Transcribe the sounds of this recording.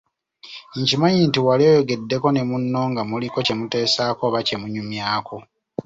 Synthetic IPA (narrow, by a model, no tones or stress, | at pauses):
iɲcimaɲintiwaloːjoɡe̞dːe̞ko̞ne̞munːo̞ːŋɡamuliko̞ce̞mute̞ːsaːkoβace̞muɲumjaːko